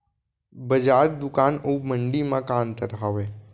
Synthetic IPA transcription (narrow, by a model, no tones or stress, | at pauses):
bəd͡ʒaːɾd̪ʊkaːnoːmə̃ɳɖimãkaːnt̪əɾɦaːʋeː